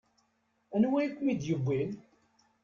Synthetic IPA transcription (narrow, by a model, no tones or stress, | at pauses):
ænwæjkʷːmid̪jəɡʷːin